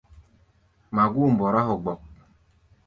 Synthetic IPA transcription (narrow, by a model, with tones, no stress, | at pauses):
ma˨ɡu˦˨m̩˨bɔ˨ɾa˦ɦʊ˨ɡ͡bɔ˨k̚